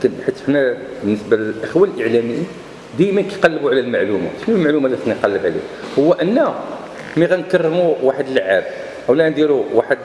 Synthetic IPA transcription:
ækənħit̪ːħnæbənːəsbaləlʔəxwælʔəʕlæməjːi | d̪æjmənkæjqɑlːəbuʕlælmaʕluma̰ʃnælmaʕlumalixniqɑlːəbʕlḭ | hʊwːæʔənːæ | miɣænkɑrˤːəmuwaħəd̪ələʕːab | ʔəwlæʔnd̪iɾuwaħəd̪

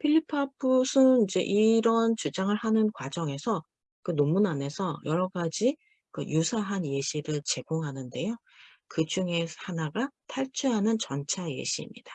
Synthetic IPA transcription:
pʰiʎːipʰʌpʰusʰɯid͡ʑe̞ʔiɾʌnt͡ɕud͡ʑaŋɯɭhanɯnkwad͡ʑʌŋe̞sʰʌ | kɯnomunane̞sʰʌjʌɾʌɡad͡ʑi | kɯjusʰaɦanje̞ɕʰiɾɯɭt͡ɕe̞ɡoŋɦanɯnde̞jo | kɯd͡ʑuŋe̞hanaɡatʰaɭt͡ɕʰuɦanɯnt͡ɕʌnt͡ɕʰaje̞̰ɕʰḭːmɲid̥a

